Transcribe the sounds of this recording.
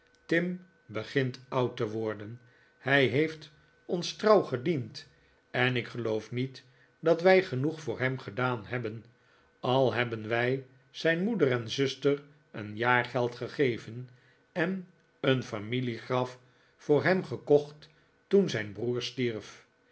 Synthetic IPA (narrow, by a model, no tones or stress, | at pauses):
tɪm | bəχɪntɑwtəʋɔɹdən | hɛjɦejft | ɔnstrɑwχədint | ɛnɪkχəlowfnit | dɑtʋɛjχənuχfʊːɹɦɛmχədaːnɦɛbən | ɑlˠɦɛbənʋɛj | z̥ɛjnmudərɛnzʏstər | ənjaːɹχɛlˠtχəχejvən | ɛn | ənfamiliχrɑf | fʊːɹɦɛmχəkɔχt | unzɛjnbruːɹstiɹf